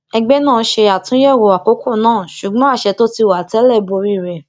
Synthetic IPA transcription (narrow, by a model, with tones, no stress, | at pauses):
ɛ˧ɡ͡bɛ˦nãː˦˨˦ʃe˧a˨tũ˦jɛ˦˨wo˨˧a˨ko˨˦ko˦˨nãː˦˨ʃu˨ɡ͡bɔ̃˦a˦˨ʃɛ˧˦to˦ti˧˨wa˨tɛ˨˦lɛ˦˨bo˧ɾi˦˨ɾɛ˨